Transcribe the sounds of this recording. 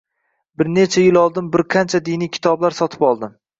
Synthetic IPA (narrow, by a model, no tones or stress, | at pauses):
bɪɾne̞t͡ʃʰajɪlˠɒlˠd̪ɪmbɪɾqʰant͡ʃʰad̪inijkʲʰɪ̥t̪ʰɒblaɾsɒt̪ʰɪ̥pɒlˠd̪ɪm